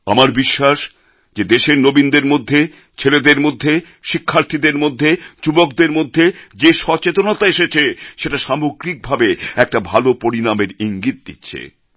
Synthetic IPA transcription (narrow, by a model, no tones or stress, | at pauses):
a̰maɾbiʃːaʃ | d͡ʑed̪eʃeɾnobind̪eɾmod̪ʱːe | t͡ɕʰeled̪eɾmod̪ʱːe | ʃikʰːaɾt̪ʰid̪eɾmod̪ʱːed͡ʑubokd̪eɾmod̪ʱːed͡ʑeʃɔt͡ɕet̪onot̪aeʃet͡ɕʰeʃeʈaʃamoɡɾik̚bʱabeɛk̚ʈabʱalopoɾinameɾiŋɡit̪̚d̪itːɕʰḛ